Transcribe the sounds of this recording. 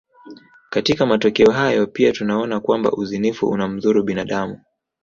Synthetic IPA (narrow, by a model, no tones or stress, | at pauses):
katikamatɔkɛɔɦajɔpiatunaɔnakwamba̰ʔuzinifṵʔṵnam̩ðuɾuɓinaɗamu